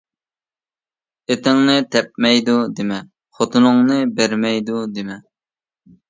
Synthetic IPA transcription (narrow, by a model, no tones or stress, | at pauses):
et̪ɪŋnɨt̪ʰɛp̚mɛjd̪ud̪emɛ | χot̪ʰɨnʊŋnɨbæɾmɛjd̪ud̪emɛ